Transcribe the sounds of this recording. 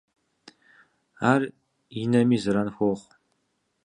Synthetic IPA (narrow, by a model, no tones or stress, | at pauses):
aːr | inɐmiːzɨɾɐnxʷoχʷ